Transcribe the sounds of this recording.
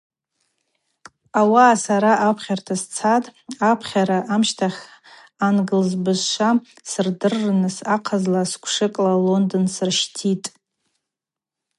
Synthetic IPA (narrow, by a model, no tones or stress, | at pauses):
awaːsaɾaʔapʰχʲartʰast͡sʰatʼapʰχʲaɾaʔamʃtʰaχʲ | anɡɨlzbɨzʃʷa | sɨrdɨrːnɨsaqʰazlaskʷʰʂɨkʼlalo̞ndɨnsɨrʃtʰitʼ